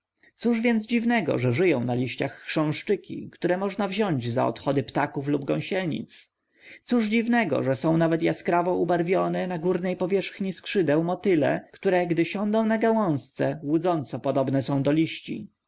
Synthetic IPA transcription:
t̪suʐvʲjɛnd̪zd͡ʑivnɛɡɔ̰ʐɛʐɘjɔ̃w̃nalʲiɕt͡ɕaxːʂɛ̃w̃ʂt͡ʂɘkʲḭkt̪uɾɛmɔʐnavʑɔɲd͡ʑza̰ɔ̰t̪xɔd̪ɘpt̪akuflubɡɔ̰̃w̃ɕɛlɲḭt̪s | t̪suʐd͡ʑivnɛɡɔ̰ʐɛsɔ̃w̃navɛt̪jaskɾavɔubaɾvʲjɔnɛnaɡuɾnɛjpɔvʲjɛʂxɲiskʂɘd̪ɛwmɔt̪ɘlɛ̰kt̪uɾɛɡd̪ɘɕɔnd̪ɔ̃w̃naɡawɔ̃w̃st̪sɛwud̪zɔnt̪sɔpɔd̪ɔbnɛsɔ̃w̃d̪ɔlʲiɕt͡ɕḭ

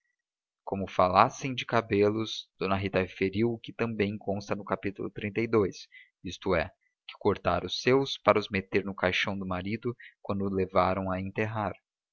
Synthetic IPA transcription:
kõmʊfalasẽj̃d͡ʒɪkabelʊzd̪̥õnɐɦit̪ɐfeɾiwkɪt̪ɐ̃bẽj̃kõst̪ɐnʊkapit̪ʊlʊ̰t̪ɾĩnt̪ejd̪ojs | ist̪ʊɛ | kɪ̥koɾt̪a̰ɾʊsewspaɾɐʊzmet̪eɾnʊkajʃɐ̃w̃d̪ʊmaɾid̪ʊkwɐ̃nd̪ʊlevaɾɐ̃w̃ɐẽnt̪eɦaɾ

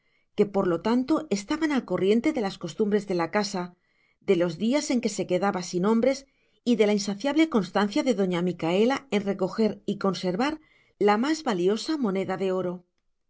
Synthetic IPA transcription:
ke̞po̞ɾlo̞t̪ant̪o̞e̞st̪aβanalko̞rje̞nt̪e̞ðe̞lasko̞st̪umbɾe̞zðe̞lakasa | ðe̞lo̞zðiase̞ŋke̞se̞ke̞ðaβasinõ̞mbɾe̞s | iðe̞lainsaθjaβle̞ko̞nst̪an̟θjaðe̞ðo̞ɲamikae̞lae̞nre̞ko̞xe̞ɾiko̞nse̞ɾβaɾ | lamazβalio̞samõ̞ne̞ðaðe̞o̞ɾo̞

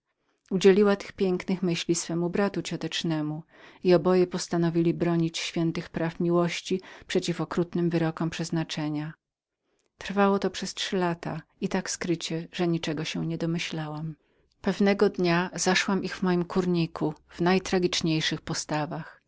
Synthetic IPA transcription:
ud͡ʑelʲiwat̪ɘ̥xpʲjɛŋknɘxmɘɕlʲisfɛmubɾat̪ut͡ɕɔt̪ɛt͡ʂnɛmu | iɔbɔjɛpɔst̪anɔvʲilʲibɾɔɲit͡ɕɕfʲjɛnt̪ɘxpɾafmʲiwɔɕt͡ɕipʂɛt͡ɕifɔkɾut̪nɘmvɘɾɔkɔmpʂɛznat͡ʂɛɲa | t̪ɾ̥fawɔt̪ɔpʂɛstʂɘlat̪ait̪akskɾɘt͡ɕɛʐɛɲit͡ʂɛɡɔɕɛɲɛd̪ɔmɘɕlawam | pɛvnɛɡɔd̪ɲaz̥aʂwamiɣvmɔjimkuɾɲikʰuv̥najt̪ɾaɡʲit͡ʂɲejʂɘxpɔst̪avax

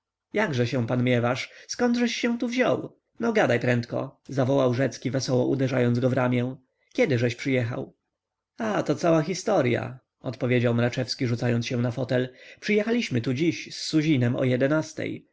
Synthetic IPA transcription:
jaɡʐɛɕɛ̃w̃panmʲjɛvaʂskɔnd̪ʐɛɕːɛw̃t̪uvʑɔ̰w | nɔɡad̪ajpɾɛnt̪kɔ̰zavɔwawʐɛt̪skʲivɛsɔwɔʔud̪ɛʐajɔnd̪ɡɔvɾamʲjɛ̃ | kʲɛd̪ɘʐɛɕpʂɘjɛxa̰w | at̪ɔt̪sawaxʲist̪ɔɾja̰ | ɔt̪pɔvʲjed͡ʑawmɾat͡ʂɛfskʲiʐut̪sajɔnsɕɛw̃nafɔt̪ɛlpʂɨjɛxalʲiɕmɘt̪ud͡ʑiɕsːuʑinɛmɔ̰jɛd̪ɛnast̪ɛ̰j

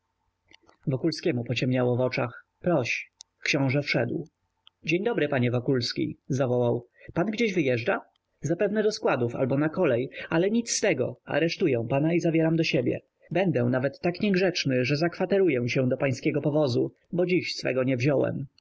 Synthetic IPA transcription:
vɔkulskʲɛmupɔt͡ɕɛmɲawɔvɔt͡ʂax | pɾɔɕ | kɕɔ̃w̃ʐɛfʂɛ̰d̪w | d͡ʑeɲd̪ɔbɾɘpaɲɛvɔkulskʲḭzavɔwawpanɡd͡ʑeʑvɘjɛʐd͡ʐa | zapɛvnɛd̪ɔskwad̪ufa̰lbɔnakɔlɛjalɛɲit̪sst̪ɛɡɔ̰a̰ɾɛʂt̪ujɛ̃w̃panaizavʲjɛɾamd̪ɔɕebʲjɛ̰ | bɛnd̪ɛw̃navɛt̪ːakɲɛɡʐɛt͡ʂnɘʐɛzakfat̪ɛɾujɛw̃ɕɛ̃d̪ɔpaj̃skʲɛɡɔpɔvɔzu | bɔd͡ʑiɕsfɛ̰ɡɔɲɛvʑɔwɛ̰m

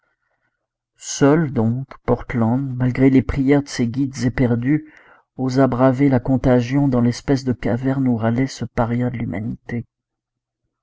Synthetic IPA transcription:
sœld̪ɔ̃kpɔʁt̪lɑ̃d̪malɡʁelepχijɛʁd̪əseɡʲid̪zepɛʁd̪y | ozabʁavelakɔ̃t̪aʒjɔ̃d̪ɑ̃lɛspɛs̬d̪əkavɛʁnuʁalɛsəpaʁjad̪əlyma̰nit̪e

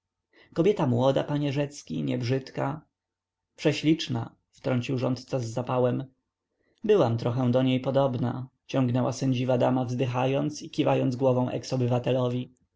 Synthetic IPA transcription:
kɔbʲjɛt̪amwɔd̪a̰paɲɛʐɛt̪skʲḭɲɛ̰bʐɘt̪ka | pʂɛɕlʲit͡ʂna | ft̪ɾɔɲt͡ɕiwʐɔnt̪t̪sazːapawɛm | bɘwamt̪ɾɔxɛ̃d̪ɔɲejpɔd̪ɔbna̰t͡ɕɔ̃ŋɡnɛwasɛɲd͡ʑivad̪amavzd̪ɘxajɔnt̪sikʲivajɔnd̪zɡwɔvɔ̃w̃ʔɛ̰ksɔbɘvat̪ɛlɔvʲi

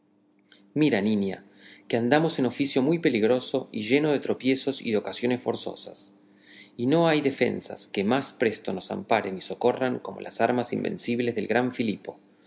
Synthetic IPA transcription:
miɾaninja | keand̪amo̞seno̞fisjo̞mujpe̞liɣɾo̞so̞iʒe̞no̞ðe̞t̪ɾo̞pje̞so̞sḭðeo̞kasjo̞ne̞sfo̞ɾso̞̰sas | ino̞ajðe̞fe̞̰nsa̰skemaspɾe̞st̪o̞no̞sa̰mpaɾe̞niso̞ko̞raŋko̞mo̞̰lʔa̰saɾmasimbe̞̰nsiβ̞le̞zðe̞lɣɾaɱfilipo̞

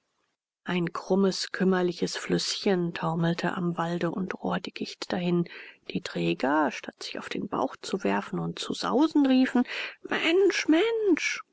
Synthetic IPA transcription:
ʔaɪnkʁ̥ʊməskʰʏmɐlɪçəsflʏsçəntʰaʊml̩tʰə̰ʔa̰mvaldəʔʊntʁoːɐdɪkɪçtd̥ahɪnd̥iːtʁ̥ɛːɡɐʃtatz̥ɪça̰ʊfd̥eːnb̥a̰ʊxt͡suvɛɐfn̩ʊntt͡suz̥a̰ʊzn̩ʁiːfn̩mɛnʃmɛnʃ

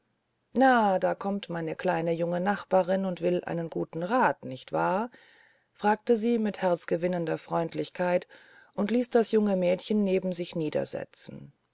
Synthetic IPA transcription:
naːdaːkʰɔmtmaɪnəkʰl̥aɪnəjʊŋənaχb̥aːʁɪnʊntv̥ɪlʔa̰ɪnənɡuːtn̩ʁaːtnɪçtv̥aːɐ | fʁ̥aːk̚təziːmɪthɛɐt͡sɡ̥əvɪnəndɐfʁ̥ɔʏntlɪçkʰaɪt | ʔʊntliːsd̥asjʊŋəmɛːtçənːeːbm̩zɪçniːdɐ̰zɛ̰t͡sn̩

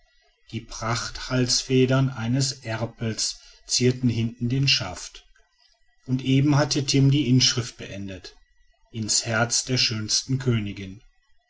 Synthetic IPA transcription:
d̥iːpʁ̥aχthalsfɛːdɐnʔaɪnəsʔɛɐpl̩s | t͡siːɐtn̩hɪntn̩deːnʃa̰ft | ʔʊntʔeːbm̩hatʰətʰɪmdiːʔɪnʃʁ̥ɪft̚b̥əʔɛndət | ʔɪnshɛɐt͡sd̥eːɐʃøːnstn̩kʰøːnɪɡɪn

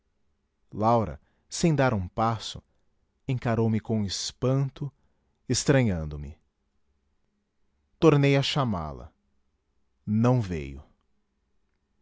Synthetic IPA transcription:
lawɾɐ̰ | sẽj̃d̪aɾũpasʊ̰ | ẽŋkaɾowmɪkõespɐ̃nt̪ʊ | est̪ɾɐ̃ɲɐ̃nd̪ʊmɪ̰ | t̪oɾnejaʃama̰lɐ̰ | nɐ̃w̃vḛjʊ

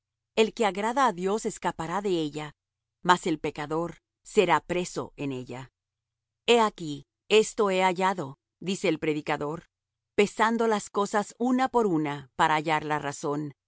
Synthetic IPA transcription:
e̞lke̞aɣɾaðaːðjo̞se̞skapaɾaðe̞e̞ʝa | mase̞lpe̞kaðo̞ɾ | se̞ɾapɾe̞so̞̰ʔe̞ne̞ʝa | e̞aki | e̞st̪o̞e̞aʝaðo̞ | d̪ise̞ːlpɾeðikaðo̞ɾ | pe̞sand̪o̞lasko̞sasunapo̞ɾunapaɾaːʝaɾlaraso̞n

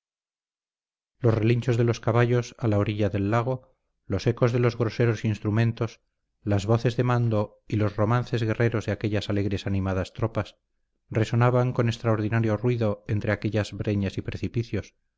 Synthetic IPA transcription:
lo̞sreliɲt͡ʃo̞zðe̞lo̞skaβaʎo̞salaoɾiʎaðe̞lːaɣ̞o̞ | lo̞se̞ko̞zðelo̞zɣɾo̞se̞ɾo̞sinst̪ɾumẽ̞nt̪o̞s | lazβo̞θe̞zðe̞mand̪o̞ | ilo̞zro̞man̟θe̞zɣe̞re̞ɾo̞zðeake̞ʎasale̞ɣɾe̞sanimaðast̪ɾo̞pas | re̞so̞naβaŋko̞ne̞st̪ɾaoɾðinaɾjo̞rwiðo̞ent̪ɾe̞ake̞ʎazβɾe̞ɲasipɾe̞θipiθjo̞s

